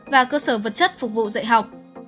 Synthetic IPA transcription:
vaː˨˩kəː˧səː˧˩və˨˩t̚t͡ɕə˦˥t̚fʊ˨˩k͡p̚vṵ˧˨zə̰˧˨jɦa˨˩wk͡p̚

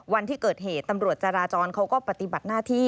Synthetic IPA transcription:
wa˧nt̪ʰiː˥˩kɤː˨˩t̪̚ɦeː˨˩t̪ːa˧mɾu˨˩ət̪̚t͡ɕa˧ɾaː˧t͡ɕɔː˧nkʰa˦˥wkɔː˥˩pa˨˧˩t̪i˨˩ba˨˩t̪̚naː˥˩t̪ʰiː˥˩

